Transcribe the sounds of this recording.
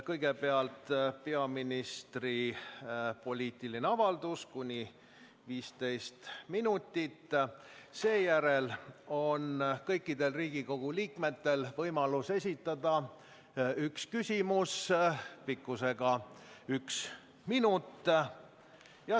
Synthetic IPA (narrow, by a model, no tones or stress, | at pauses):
kɤjɡe̞pe̞ɑlt̪peɑminist̪ri | po̞lʲiːt̪ˑilineɑvɑld̪uskunʲi | viːst̪e̞jst̪minut̪ːˑit̪ː | se̞ːjæɾe̞lo̞nkɤjkːˑid̪e̞lriːɡiko̞ɡ̥uliːkme̞t̪ːe̞lvɤjmɑluse̞s̬ʲit̪ːˑɑd̪̥ɑ | ykskysʲimuspikːˑuse̞ɡ̥ɑyks | minut̪ːˑ | jɑ